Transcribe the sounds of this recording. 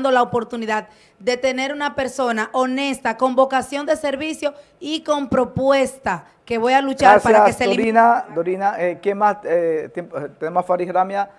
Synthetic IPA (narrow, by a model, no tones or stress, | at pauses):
nd̪o̞laopo̞ɾt̪uniðad̪̚ | d̪e̞t̪e̞ne̞ɾunape̞ɾso̞naʔo̞ne̞st̪ako̞mbo̞kasjo̞nd̪e̞se̞ɾβisjo̞ | iko̞mpɾo̞pwe̞st̪a | ke̞βo̞jalut͡ʃaɾaspaɾjaseseoɾinad̪oɾinaʔekjemaset̪empt̪enemosfaɾihɾamja